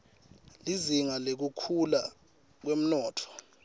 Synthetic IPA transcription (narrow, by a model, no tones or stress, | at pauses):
liziŋalek̬ukʰula | k̬wem̩nɔːtʰɔ̥